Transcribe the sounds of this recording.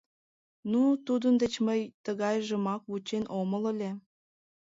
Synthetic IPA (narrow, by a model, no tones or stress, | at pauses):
nut̪ud̪ənd̪et͡ɕməjt̪əɣɑjʒəmɑk̚βut͡ɕenʔomələlʲe